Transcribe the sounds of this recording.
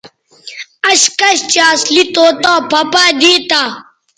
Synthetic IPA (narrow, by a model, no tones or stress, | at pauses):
ɐɕkɐɕt͡ɕaːslit̪oːt̪aːpʰɐpaːd̪iːt̪aː